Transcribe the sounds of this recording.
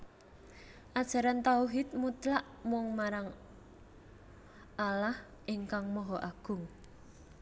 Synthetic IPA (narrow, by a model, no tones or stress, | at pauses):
ʔad̥ʒ̥a̤ɾant̪auɦɪt̪̚mut̪laʔ | mɔŋmaɾaŋ | ʔalah | ʔiŋkaŋmɔɦɔʔaɡ̥ʊ̤ŋ